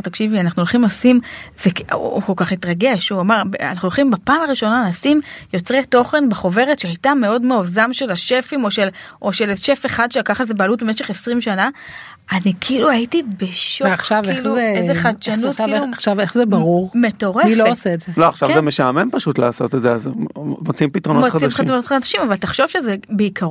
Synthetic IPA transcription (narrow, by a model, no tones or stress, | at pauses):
ʁt̪akʃivianaχnuolχimlasimz̥ekukolkaχnitʁaɡe̞ʃuamaʁba̰naχnuolχimbapaːmaʁiʃo̞nalaːsimjo̞t͡sʁeto̞χe̞nbeχo̞ve̞ʁetʃeajtame̞o̞dmeozamʃe̞laʃe̞fimo̞ʃelʔo̞ʃelʃe̞feχad̪ʃeakaχezebealutbemeʃeχesʁimʃana | anikiːluaitibeʃoaχʃavkiluezeχat͡ʃanutkiuʃaveχzebaʁuʁme̞to̞ʁeifloosetzeloaχʃavzemeʃamempaʃut̪la̰ːso̞t̪etzeazmot͡siimpitʁonomoχaiimimʁonotχad̪aʃimavalt̪aχʃo̞vʃe̞zebeikʰaʁo